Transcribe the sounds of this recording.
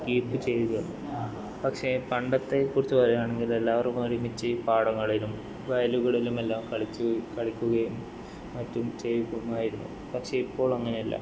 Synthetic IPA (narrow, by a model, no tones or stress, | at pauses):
kiːpːɨt͡ɕe̞jt̪ikɐunːṵ | pɐkʂe̞pɐɳɖɐt̪ːe̞kːurit͡ɕːupɐrejaːɳe̞ŋɡile̞lːaːʋɐrkumnːoɾimit͡ɕːɨpaːɽɐŋːɐɭilum | ʋɐjɐluɣɐɭilume̞lːaːmkɐɭit͡ɕːukɐɭikʲːuɣɐjum | mɐtːumt͡ɕejikːumːaːjiɾunːṵ | pɐkʂe̞ipːo̞ːɭɐŋːɐne̞ɐlːɐ̰